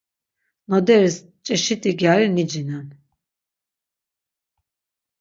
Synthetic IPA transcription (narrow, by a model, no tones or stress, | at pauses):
nɔd̪ɛɾis | t͡ʃʼɛʃit̪ʼiɡjaɾinid͡ʒinan